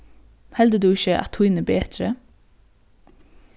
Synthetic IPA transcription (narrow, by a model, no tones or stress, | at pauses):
hɛld̪əd̪ʉːɪçəʔɑ̰t̪ʰiːnəbeːd̪ɾə